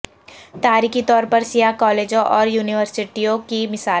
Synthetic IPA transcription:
t̪aːɾiːkit̪ɔːɾpɐɾsijakɔːleːd͡ʒõʔɔːɾjuːnɪʋəɾsɪʈijõkimɪsaː

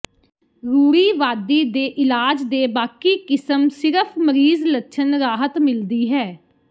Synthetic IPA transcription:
ɾuːɽiːʋaːd̪iːd̪eːʔɪlaːd͡ʒd̪eːbaːkiːkɪsəmsɪɾəpʰməɾiːzlətːʃʰənɾaːɦət̪mɪld̪iːɦɛː

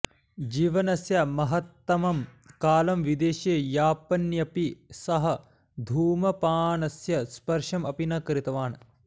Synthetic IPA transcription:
d͡ʒiːʋɐnɐsjɐmɐɦɐt̪ːɐmɐmkaːlɐmʋid̪eːʃeːjaːpɐnjɐpisɐɦɐ | d̪ʱuːmɐpaːnɐsjɐspɐɾʂɐmɐpinɐkɾit̪ɐʋaːnɐ

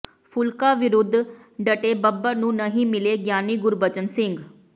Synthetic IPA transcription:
pʰʊlkaːʋɪɾʊd̪ʱ | ɖəʈeːbəbəɾnũːnəɦĩːmɪleːɡjaːniːɡʊɾbət͡ʃənsɪŋɡ

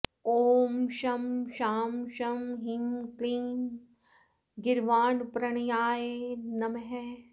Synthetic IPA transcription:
oːmʃɐmʃaːmʃɐmɦiŋkliŋ | ɡɪɾʋaːnpɾɐɽ̃jaːjenɐmɦɛ

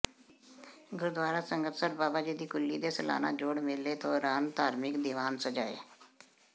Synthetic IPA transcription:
ɡʊɾd̪waːɾaːsəŋɡət̪səɾbaːbaːd͡ʒiːd̪iːkʊlːiːd̪eːsəla̰ːna̰ːd͡ʒoːɽmɪlːeːt̪ʰoːɾaːnt̪aːɾmɪkd̪ɪʋaːnsəd͡ʒaːḛː

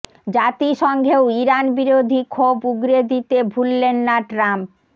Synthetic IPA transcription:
d͡ʑat̪iʃɔŋɡʱeoiɾanbiɾod̪ʱikʰobuɡɾed̪it̪ebʱulːenːaʈɾamp̚

